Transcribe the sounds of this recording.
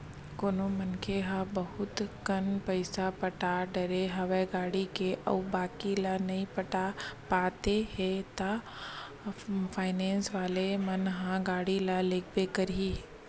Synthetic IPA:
koːnomənkeɦãbɐɦʊt̪kɐnpəɪsapəʈaɖɐɾeɦɐʋeɡaːɽikeʔɐ̰ʊbaːkilanɐĩpəʈapaːt̪ehɛ̃t̪a | pʰaːɪnẽːnsʋaːlemɐnɦãɡaːɽilaleːkʰbekəɾɦiɦ

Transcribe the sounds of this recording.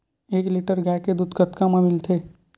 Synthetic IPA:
eːkliʈəɾɡɛked̪ud̪ɡət̪kamãmɪlt̪ʰe

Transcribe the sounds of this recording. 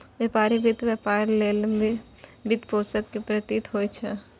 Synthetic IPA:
ʋjepaːɾibit̪ʋjepaːɾlel | bɪt̪poːsəkːepɾət̪it̪ɦojt͡ʃʰɛ

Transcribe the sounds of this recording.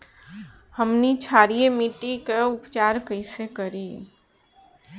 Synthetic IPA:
həmnit͡ʃʰaːɾijemiʈikeʊpt͡ʃaːɾkəɪsekəɾiː

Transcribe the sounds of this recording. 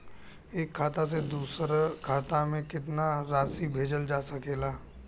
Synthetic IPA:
eːkʰːaːt̪as̬ed̪uːsɾkʰaːt̪amẽkɪt̪naɾaːsibʱeːd͡ʒəld͡ʒaːsɐkeːlaː

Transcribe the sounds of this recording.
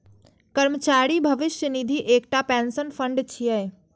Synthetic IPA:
kəɾmət͡ʃaːɾibʱɐʋɪʃjənid̪ʱiʔeːk̚ʈapɛ̃ːnsənfʰə̃ɳɖt͡ʃʰiəj

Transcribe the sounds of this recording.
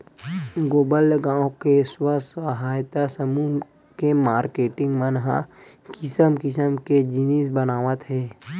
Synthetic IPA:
ɡoːbəlɡãːwkeswəsəɦaːjt̪asəmuː | kemaːɾkeːʈɪ̃ŋɡmənɦa̰kɪsəmkɪs̬əmked͡ʒinisbənaːʋət̪ɦɛː

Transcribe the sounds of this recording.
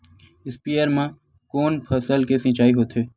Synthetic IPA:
ɪspiːəɾmã | koːnpʰəsəlkesɪ̃ːt͡ʃaːiɦoːt̪ɦeː

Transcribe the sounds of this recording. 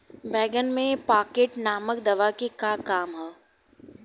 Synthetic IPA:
bɛːɡənmẽpaːkeːʈnaːməkd̪ɐʋakekakaːmɦɛː

